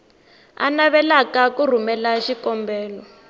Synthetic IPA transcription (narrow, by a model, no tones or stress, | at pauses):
a̰naβɛlakakur̤umɛlaʃikɔmbɛːlɔ